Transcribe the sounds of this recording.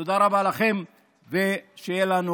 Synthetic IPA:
od̪aɾavalaχe̞m | veʃejelanu

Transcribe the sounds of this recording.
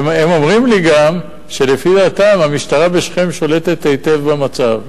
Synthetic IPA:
memo̞mʁimliɡam | ʃe̞lefid̪aːt̪amamiʃt̪aʁabe̞ʃχe̞mʃo̞le̞t̪e̞t̪ejt̪e̞vbamat͡sav

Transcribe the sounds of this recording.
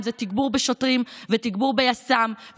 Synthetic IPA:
zet̪iɡbuʁbeʃot̪ʁimvet̪iɡbuʁbejasamv

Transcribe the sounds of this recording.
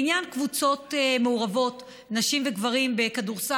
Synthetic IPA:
injankvut͡so̞temeuʁavo̞t | naʃimveɡvaʁimbe̞kaduʁsa

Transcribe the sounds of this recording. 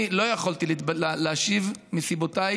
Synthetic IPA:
lo̞jaχolt̪ililleaʃivmisibotaj

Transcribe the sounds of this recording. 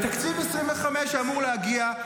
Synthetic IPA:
t̪akt͡sivmisʁimveχameʃamuʁlehaɡia

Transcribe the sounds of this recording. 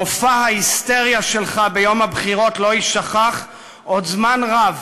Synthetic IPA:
ofahaist̪e̞ʁjaʃe̞lχabejo̞mabχiʁo̞tlo̞iʃaχaχ | ʔodzmanʁav

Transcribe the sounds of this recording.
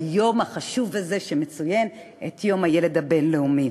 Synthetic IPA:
jo̞maχaʃuvaze̞ʃeme̞t͡sujen | etjo̞majele̞dabe̞nleumi

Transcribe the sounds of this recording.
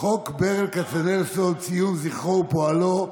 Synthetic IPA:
χokbeʁelkat͡sanelsolt͡sijumziχowpoalo

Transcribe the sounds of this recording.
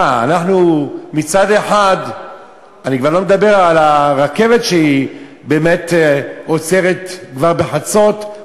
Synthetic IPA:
a̰naħnumit͡sad̪e̞ħad̪ | anikvaʁlo̞med̪abe̞ʁalaʁake̞vet̪ʃei | beːmet̪ot͡seʁet̪kvaʁbeħat͡so̞t̪

